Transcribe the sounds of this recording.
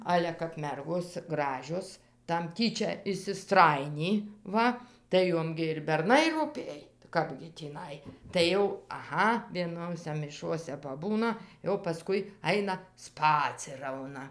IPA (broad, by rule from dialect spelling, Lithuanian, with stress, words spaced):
ˈɑːlʲɛ kɐp ˈmʲɛrɡoːs ˈɡrɑːʒʲoːs tɐm ˈtʲiːt͡ʃʲɛ ɪʃʲsʲɪˈstrɑːjɪnʲiː ˈʋɐ tɐɪ ˈjoːm ɡʲɪ ɪr bʲɛrˈnɐɪ ruːˈpʲeːj ˈkɑːbʲɡʲɪ tʲiːˈnɐɪ tɐɪ ˈjɛʊ ɐˈɣɐ ʋʲiɛˈnoːsʲɛ mʲɪˈʃuɔsʲɛ pɐˈbuːnɐ jɛʊ pɐˈskʊɪ ˈɐɪnɐ ˈspɑːt͡sʲɪrɐʊnɐ